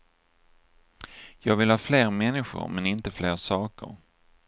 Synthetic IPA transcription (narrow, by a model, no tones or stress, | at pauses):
jɑːɡvɪlhɑːfleːɾmɛnːɪɧʊ̰ɾmɛnɪnt̪əfleːɾsɑːkə̰ɾ